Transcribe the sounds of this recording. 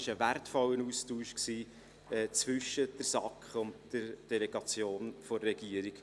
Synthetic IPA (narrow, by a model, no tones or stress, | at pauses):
ɪʃəværtfɔlːənuːstuːʃksiː | ɛːt͡svʏʃəd̥əɾsɑkχʊntd̥əɾd̥ɛleɡ̥ɑt͡sjoːnfɔrːɛɡiəɾiɡ̥